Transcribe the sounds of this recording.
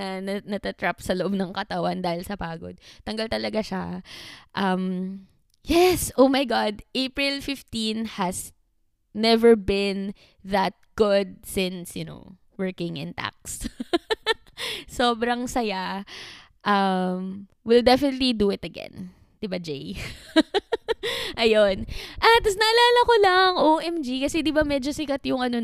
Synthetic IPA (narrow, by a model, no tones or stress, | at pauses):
ɐnɐnɐt̪ɐt̪ɹapsɐloʔob̚nɐŋkɐt̪ɐwand̪aːhɪlsɐpaːɡo̰d̪̚t̪ɐŋɡalt̪ɐlɐɡaʃa | ʔɐm | jɛsʔoʊmajɡad̪ʔejpɹɪlfɪft̪ĩnhɐs | nɛvəɹbɪn | ðɐt̪̚ɡ̥ʊd̪̚sɪ̃nsjʊno̰ | wəɹkɪ̃ŋʔɪ̰̃nt̪a̰k̚s | soːbɾɐŋsɐja | ʔɐm | wɪld̪ɛfɪnɛt̪lid̪uɪt̪ɐɡɛ̰̃n | d̪̥ɪbad͡ʒej | ʔɐjonʔɐt̪̚ːɐsnɐʔɐlaːlɐkolɐŋʔoʔɛmd͡ʒikɐsɛd̪ɪbamɛd͡ʒosɪkat̪jʊŋɐno